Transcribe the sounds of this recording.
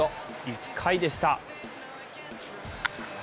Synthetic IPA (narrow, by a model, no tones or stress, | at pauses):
o | jikʰːaid̪est̪a